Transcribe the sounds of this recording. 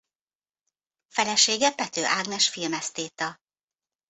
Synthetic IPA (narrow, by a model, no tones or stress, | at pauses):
fɛlɛʃeːɡɛpɛt̪øːʔaːɡnɛʃfilmɛst̪eːt̪ɒ